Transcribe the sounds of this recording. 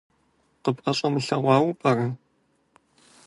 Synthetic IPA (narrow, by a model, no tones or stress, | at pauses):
qəpʼɐɕʼɐmɨɬɐʁʷɑːwpʼɐrɐ